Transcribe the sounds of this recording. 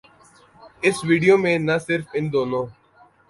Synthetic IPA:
ɪsʋiːɖijomẽnɐsɪɾfɪnd̪oːnõː

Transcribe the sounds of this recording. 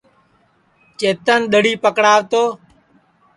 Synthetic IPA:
t͡ʃeːt̪ənɗ̪əɽiːpəkɽaːʋt̪oː

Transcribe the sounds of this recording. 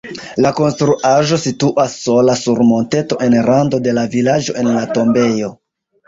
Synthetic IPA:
lako̞nstɾuʔaʒo̞situʔasːo̞lasuɾmo̞nte̞to̞ʔe̞nɾando̞de̞lavilad͡ʒo̞e̞nlato̞mbe̞jo̞

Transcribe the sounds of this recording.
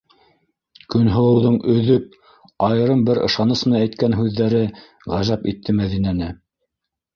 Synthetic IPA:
kɵ̆nɦŏwɤ̆wðɤɴɵ̆ðɵp̚ | ɑjɤ̆ɾɤmbɘɾɤ̆ʃɑnɤs̆nææjt̪kænɦʉðːæɾɘ | ʁæʒæpḭt̪ʰːɘmæðinænɘ

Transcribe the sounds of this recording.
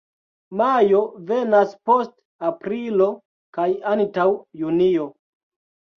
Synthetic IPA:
majo̞ve̞naspo̞st | apɾilo̞ | kajantawjunio̞

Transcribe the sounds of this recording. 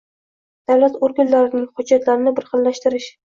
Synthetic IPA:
d̪̥awlat̪oɾɡʲanlaɾɪnɪŋχʊd͡ʒːat̪ʰlaɾɪnɪbɪɾχɨllːaʃt̪ɪɾɪʃ

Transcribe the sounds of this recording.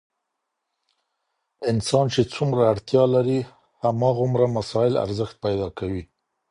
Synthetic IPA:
ɪnsɑnt͡ʃet͡sumɾaːɽt̪jɑlaɾi | hamɑɣʊmɾamasɑɪla̰ɾzəxt̪̚pajd̪ɑkawi

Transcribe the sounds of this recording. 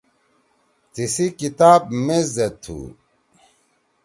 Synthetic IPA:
t̪isikit̪aːb̚mezɐt̪ʰːṵ

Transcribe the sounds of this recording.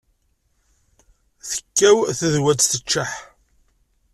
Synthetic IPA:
θə̥kːæwθæðwæt̪θət͡ʃːaħ

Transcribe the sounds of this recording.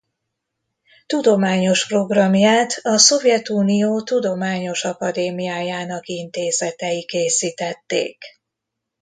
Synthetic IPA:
t̪ud̪o̞maːɲo̞ʃpro̞ɡrɒmjaːt̪ɒso̞vjɛt̪uːnijoːt̪ud̪o̞maːɲo̞ʃɒkɒd̪eːmijaːjaːnɒkint̪eːzɛt̪ɛjikeːsiːt̪ɛt̪ːḛːk

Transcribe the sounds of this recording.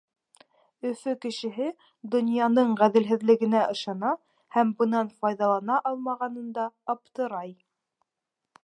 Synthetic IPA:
ɵ̆fɵkɘ̆ʃɘ̆ɦɘ | d̪ŏnjɑnɤɴʁæðɘ̆lɦɘ̆ðlɘ̆ɡɘ̆næʔɤ̆ʃɑnɑ | hæmbɤ̆nɑnfɑjðɑlˠɑnɑʔɑlˠmɑʁɑnɤ̆nd̪ɑːpt̪ɤ̆ɾɑj

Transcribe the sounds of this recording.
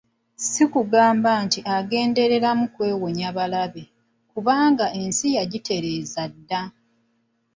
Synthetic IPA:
sikuɡaːmbantiʔaɡe̞ːnde̞ɾe̞ɾamukwe̞ːwoɲaβalaβe | kuβaːŋɡae̞nsijaɟite̞ɾe̞ːzadːa

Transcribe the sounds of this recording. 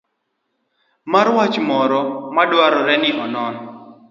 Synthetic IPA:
maɾwat͡ʃmɔɾɔmadwaɾɔɾɛnɪʔɔnɔn

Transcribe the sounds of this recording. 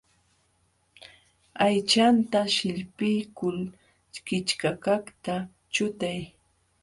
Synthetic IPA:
ajt͡ʃant̪aʃɪʎpɪjkʊl | t͡ʃkɪt͡ʃkakaχt̪a | t͡ʃʊt̪aj

